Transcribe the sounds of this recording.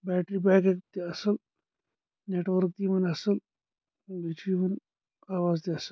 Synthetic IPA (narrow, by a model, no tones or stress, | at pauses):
bɛːʈɾibaːkekt̪iɐsəl | neːʈʋɐɾk̚t̪imɐnɐsəl | bit͡ʃimɐn | aːʋaːzt̪iɐsəl